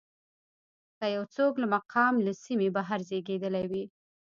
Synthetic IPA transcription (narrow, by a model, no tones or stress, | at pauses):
k̪ajawt͡soklamaqʰɑmlasimebaɦaɾzeɡed̪əlajwi